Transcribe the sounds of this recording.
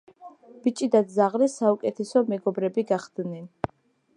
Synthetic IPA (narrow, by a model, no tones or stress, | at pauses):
b̥it͡ʃʼid̪ad̪zaʁɾɛsaukʼɛt̪ʰɛsɔmɛɡɔbɾɛbiɡaχd̪̥nɛn